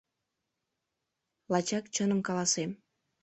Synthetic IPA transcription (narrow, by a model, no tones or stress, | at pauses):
lɑt͡ɕɑkt͡ɕənəmkɑlɑsem